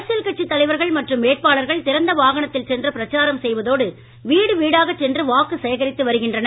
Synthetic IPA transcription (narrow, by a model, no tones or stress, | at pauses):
ɐsɐlkɐʈ̚t͡ʃːit̪ːɐlɐɪʋɐɾɣɐɭmɐʈrɯmːeːʈ̚paːɭɐɾɣɐɭt̪ɪɾɐnd̪ɐʋaːɣɐɳɐt̪ːɪlt͡ʃɛndrɐpɪɾɐt͡ʃːaːɾɐmsɛjʋɐðoːɽɯ | ʋiːɽɯʋiːɽaːɣɐt͡ʃːɛndrɯʋaːkːɯsɐjɐɣɐɾɪt̪ːɯʋɐɾɯɣɪndrɐnɐ